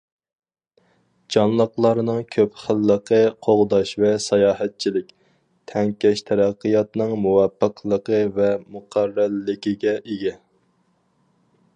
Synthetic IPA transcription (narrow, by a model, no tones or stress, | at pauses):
d͡ʒɑnlˠəqlˠɑɾnɨŋkʲʰøpχəlːəqʰəqʰoʁd̪ɑʃvɛsɑjɑːɦɛt̪̚t͡ʃʰilɪk̚ʲ | t̪ʰɛŋkʲɛʃt̪ʰɛɾæqːəjɑt̪nɨŋmuwɑpːəqʰlˠəqəvɛmuqʰærːælːɪkʲiɡʲɛʔeɡʲɛ